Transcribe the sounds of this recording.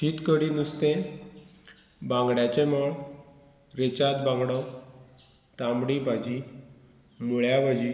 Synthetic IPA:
ɕiːt̪kəɽinust̪e | bãŋɡɽjat͡ɕemɔɭ | ɾet͡ɕat̪̚bãŋɡɽɔ | t̪ãmbɽibad͡ʑi | muɭjabad͡ʑi

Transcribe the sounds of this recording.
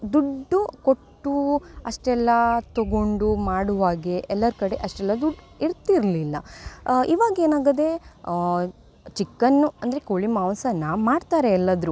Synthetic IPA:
d̪uɖːukoʈːuɐʂʈɛlːɐt̪oɡoɳɖumaːɽuʋaːɡeʔɛlːɐɾkɐɽe̞ʔɐʂʈɛlːɐd̪uɖ | iɾt̪iɾlilːɐ̰iʋaːɡeːnaːɡɐd̪e̞ | t͡ʃikːɐnːuɐnd̪ɐɾekoɭimaːmsɐnːɐmaːɽt̪aːɾeːlːɐd̪ɾu

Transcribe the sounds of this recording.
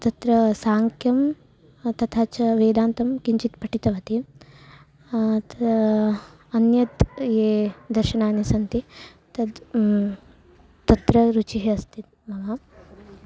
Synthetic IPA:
t̪ɐt̪ɾɐsaːŋkʰjɐm | t̪ɐt̪ʰaːt͡ʃɐʋeːd̪aːnt̪ɐmkiɲt͡ʃit̪pɐʈit̪ɐʋɐt̪i | t̪ɐ | ɐnjɐt̪jeːd̪ɐɾʃɐnaːnisɐnt̪i | t̪ɐd̪ | t̪ɐt̪ɾɐɾut͡ʃiɦeɐst̪ʰit̪ | mɐʋa

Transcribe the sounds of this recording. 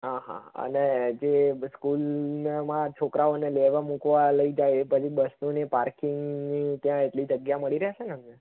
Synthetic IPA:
ɦãɦã̰ə̰ned͡ʒeskulnmãt͡ʃʰokɾaoneleʋãmukʋaləid͡ʒajepət͡ʃʰibəsnunepaɾkɪŋɡnit̪jãeʈlid͡ʒəɡjaməɭiɾəjat͡ʃʰenəme

